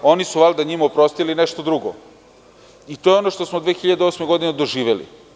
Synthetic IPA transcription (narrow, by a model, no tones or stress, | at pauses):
o̞nisuʋalˠd̪aɲimopɾo̞st̪ilineʃt̪o̞d̪ɾuɡo̰ | it̪ojeo̞noʂt̪o̞smod̪ʋeːxiʎad̪eo̞smeɡo̞d̪ined̪oʒiːʋelḭ